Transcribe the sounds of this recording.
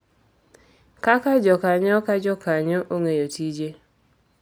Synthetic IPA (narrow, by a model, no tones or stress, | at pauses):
kakad͡ʒɔkaɲɔkad͡ʒɔkaɲoʔoŋejotid͡ʒe